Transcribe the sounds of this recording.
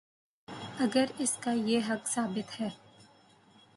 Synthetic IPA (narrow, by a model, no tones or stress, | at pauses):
ɐɡəɾɪskajeːɦɐksaːbɪt̪hɛː